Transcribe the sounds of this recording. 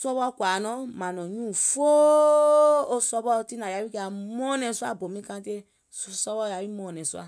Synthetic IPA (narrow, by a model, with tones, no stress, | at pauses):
sɔ˦bɔ˦kʷa˨nɔ̃˦ma˨nɔ̃˨ɲũ˦˨fo˦ | o˦sɔ˧bɔ˦ti˦na˨ja˨˦wi˦ke˦a˨mɔ˦nɛ˧˨su˦a˦˨bo˨mĩ˦kã˧te˦ | su˦sɔ˧˦bɔ˦˨ja˨wi˦mɔ˦˨nɛ̃˨su˦a̰˦